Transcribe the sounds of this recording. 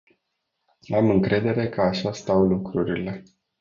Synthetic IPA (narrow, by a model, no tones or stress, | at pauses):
amɨŋkɾʔe̞d̪e̞ɾe̞kʰəaʃast̪awlukɾuɾile̞